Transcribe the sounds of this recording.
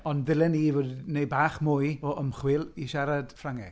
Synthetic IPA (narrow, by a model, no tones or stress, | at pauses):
ɔnðɪlˠɛniːvodnejbaːχmʊjɔʔəmχwɪlˠiʃaɾad̥fraŋɛ